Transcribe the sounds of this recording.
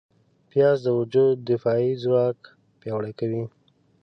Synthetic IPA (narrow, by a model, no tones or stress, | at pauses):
pjɑzd̪əwʊd͡ʒud̪d̪ɪfɑizɾɑk | pjɑwɽajkawi